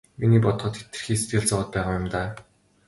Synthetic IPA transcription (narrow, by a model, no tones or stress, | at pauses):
miniːpɔt̪χɞ̆t̪ʰe̥t̪ɘ̆rxiːse̥t̪ɡɘ̆ɮt͡sɔʊ̆t̪̚pæːʁaːjʊmt̪aː